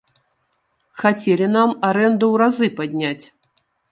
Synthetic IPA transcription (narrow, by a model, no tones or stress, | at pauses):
xat͡sʲɛlʲin̪amaɾɛnd̪uwɾazɨpad̪ʲnʲat͡sʲ